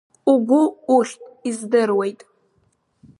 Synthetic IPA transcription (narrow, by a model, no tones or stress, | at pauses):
uɡʷʊuχʲtʼizdɨrwejtʼ